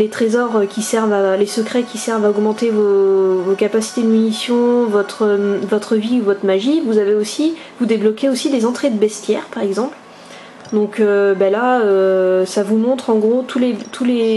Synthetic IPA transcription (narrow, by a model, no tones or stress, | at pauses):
let̪χezɔʁkʲisɛʁvalesəkχɛkʲisɛʁvaɔɡmɑ̃t̪evovokapasi̥t̪ed̪əmynisjɔ̃vɔt̪χəvɔt̪χəviuvɔt̪χəmaʒivuzaveosi | vud̪eblɔkʲeosid̪ezɑ̃t̪χed̪əbɛst̪jɛʁpaʁɛɡzɑ̃pl | d̪ɔ̃købalaøsavumɔ̃t̪χɑ̃ɡʁot̪ulet̪ʰule